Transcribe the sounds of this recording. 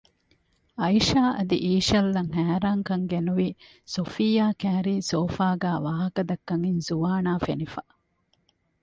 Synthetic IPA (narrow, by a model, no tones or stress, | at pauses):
ɐiʃaːʔɐd̪iʔiːʃɐlːɐŋɦæːɾaːŋkɐŋɡenuʋi | sofijaːkæːɾiːsoːfaːɡæːʋaːɦɐkɐd̪ɐkːɐŋinzuʋaːnaːfenifɐ